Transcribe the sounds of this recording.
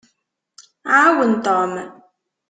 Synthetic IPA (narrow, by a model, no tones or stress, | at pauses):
awən̩tɔːmə